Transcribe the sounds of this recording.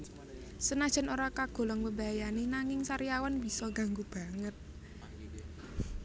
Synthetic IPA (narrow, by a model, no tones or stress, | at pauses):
sənad̥ʒ̥ɛ̤noɾakaɡ̥o̤lɔŋbəmbaajanenaŋɪŋsaɾiawanb̥isɔŋɡa̤ŋɡub̥a̤ŋət̪̚